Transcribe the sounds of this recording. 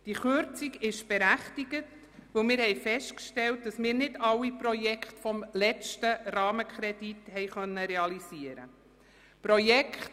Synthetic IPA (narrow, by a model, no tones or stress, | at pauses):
d̥iχʏɾt͡siɡɪʃb̥ɛɾæχtiɡət | ʋɵlmɪːɾhɛɪfɛʃtkʃtɛlt̚d̥ɑsmɪːɾnɪdɑwiprɔjɛkʰχtfɔmlɛt͡ʃtərɑːməkʰɾɛdithɛɪχœnːəɾɛɑlisiəɾə̰ | pɾɔjɛkχt